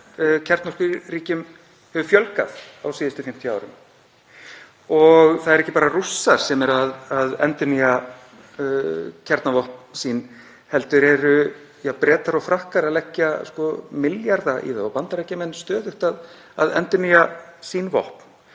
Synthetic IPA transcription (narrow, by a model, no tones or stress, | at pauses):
cʰɛɾt̪nɔskiriːcʏm | hɛvʏfjœlka̰ðawsiːðɪst̪ʏfɪm̥t̪ʰjʏaːwɾʏ̰m | ɔɣθaðɛɾɛhcːɪpaːɾarusːaɾ̥sɛmɛɾaðaðɛ̰nt̪ʏnia | cʰɛɾt̪navɔhp̪sin | hɛlt̪ʏɾɛɾʏ | japɾɛːt̪aɾɔɣfɾahkaɾalɛcːaskɔmɪljaɾðaʔḭθavapant̪aɾɛhcːamɛnːst̪œːðʏht̪að | a̰ðɛ̰nt̪ʏniasiːnvɔ̰hpn